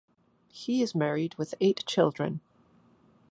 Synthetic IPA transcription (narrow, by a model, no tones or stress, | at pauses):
hiɪzmɛɹid̚wɪðeɪtt͡ʃʰɪlˠdɹə̰̃n